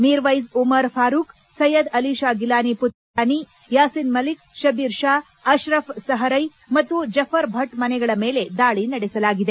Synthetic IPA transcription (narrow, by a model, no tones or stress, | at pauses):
miːɾʋɐjzumɐɾpʰaːɾuːk | sɐjɐd̪ɐliːʃaːɡilaːniput̪ | aːni | jaːsinmɐlik̚ʃɐbiːɾʂaː | ɐʃɾɐfsɐɦɐɾɐj | mɐt̪ːud͡ʒɐpʰɐɾbʱɐʈmɐnɛɡɐɭɐmeːle̞d̪aːɭinɐɽɛsɐlaːɡid̪e